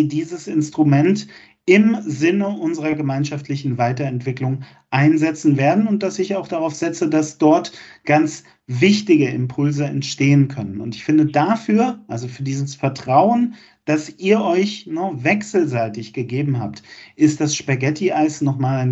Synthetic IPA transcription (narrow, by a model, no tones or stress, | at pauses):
idiːzəsɪnstʁ̥umɛnt | ɪmzɪnəʔʊnzəʁɐɡəmaɪnʃaftlɪçn̩vaɪtɐɛntv̥ɪklʊŋ | ʔaɪnzɛt͡sn̩veːɐdn̩ʊnt̚d̥asɪçaʊxd̥aʁaʊfz̥ɛt͡sədasd̥ɔɐtɡ̥ant͡s | vɪçtɪɡəɪ̰mpʰʊlzəɛ̰ntʃteːənkʰœnənʊ̰ntɪçfɪndədafyːɐʔalzofyːɐdiːzəsfɛɐtʁ̥aʊən | d̥asʔiːɐʔɔʏçnəvɛksl̩zaɪtɪçɡ̥əɡeːbm̩ɦa̰ːptʔɪst̚d̥asʃpaɡɛtʰiʔaɪsnɔχmaːlaɪn